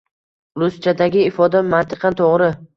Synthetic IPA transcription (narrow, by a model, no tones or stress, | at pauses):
ɾʊst͡ʃʰad̪aɡʲɪːfɒd̪amant̪ʰɪ̥qʰɑnt̪ʰoʁɾɪ